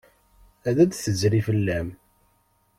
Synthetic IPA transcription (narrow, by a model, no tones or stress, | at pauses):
æðæd̪θəzɾifəlːæm